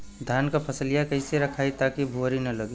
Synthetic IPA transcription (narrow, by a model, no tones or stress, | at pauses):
d̪ʱjaːnkapʰəsəlijakəiseɾɐkʰaːit̪aːkibʱuɾinɐləɡiː